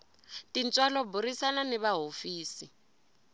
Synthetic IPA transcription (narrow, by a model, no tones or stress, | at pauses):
tint͡sʼwalɔbuɾisananɛβaɦofiːsi